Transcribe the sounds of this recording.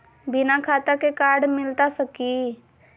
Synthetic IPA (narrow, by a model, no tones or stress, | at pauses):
bɪnakʰaːt̪akekaːɾɖmɪlt̪asəki